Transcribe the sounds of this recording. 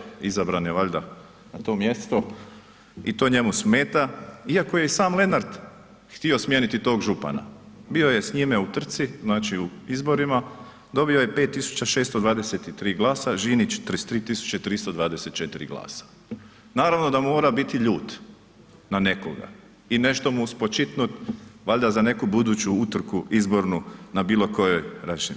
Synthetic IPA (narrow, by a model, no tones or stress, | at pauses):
izabɾaneʋaʎʲd̪a | nat̪o̞ːmje̞st̪o̞ | it̪o̞ɲe̞musmeːt̪aiakoje̞saːmle̞naɾd̪ | xt̪io̞smʲjeːnit̪it̪o̞ːɡʒupa̰na̰bio̞je̞sɲime̞ut̪r̩t̪siznaːt͡ʃiuizbo̞ɾima | d̪o̞bio̞je̞pe̞ːt̪ːisu̥t͡ɕaʃeːst̪od̪ʋaːd̪e̞set̪it̪ɾiːɡlˠaːsaʒinit͡ʃt̪ɾst̪ɾiːt̪isu̥t͡ɕet̪ɾist̪od̪ʋaːd̪e̞se̞t̪̚t͡ʃe̞t̪iɾḭɡlˠa̰ːsḁ | naːɾaʋno̞d̪amo̞ːɾabit̪iʎuːt̪ | nane̞ko̰ɡa̰ | ine̞ʃt̪o̞muspo̞t͡ʃit̪nut̪ʋaʎd̪azane̞kubud̪uːt͡ɕuut̪r̩kuizbo̞ɾnunabiːlˠo̞ko̞jojɾat͡ʃin